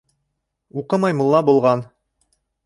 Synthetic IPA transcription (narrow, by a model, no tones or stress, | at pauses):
uqɤmɑjmulˠːɑbulˠʁɑn